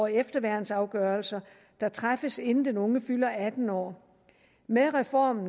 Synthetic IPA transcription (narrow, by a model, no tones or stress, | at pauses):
efd̥ɐʋæɐ̰n̩sɑ̈ʊɡ̥ɶːɐlsɐ | d̥ɑ̈t͡sʰʁafəse̝nn̩d̥enɔ̽ŋəfylɐæd̥n̩ɒ̰ː | meðˠʁɛfɒ̰ːmn̩